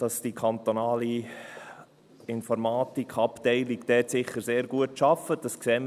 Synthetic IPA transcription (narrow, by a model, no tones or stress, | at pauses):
d̥ɑsd̥ikʰɑnt̪onɑːli | ɪnfɔɾmɑːtikʰχɑptɛɪlikd̥ɛːtsɪχːəɾseːɾɡuətʃɑfədɑsksɛːmə